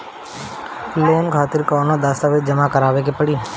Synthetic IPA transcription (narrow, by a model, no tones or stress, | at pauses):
pleːnkʰaːt̪ɪɾkɔːnõd̪aːst̪aːʋɪd͡ʒɐmakɐɾaːʋek̬epɐɽiː